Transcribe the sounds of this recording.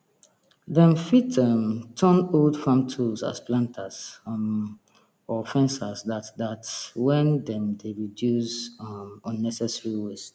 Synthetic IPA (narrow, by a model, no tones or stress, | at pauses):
ðɛ̃mfitɛ̃mtʰɔ̃noldfãmtʰulsa̰splãntʰas | ɔfɛ̃nsasdatdatwɛ̃ndɛ̃mdeɹidjuzmɔ̃nːɛsɛsɹiwes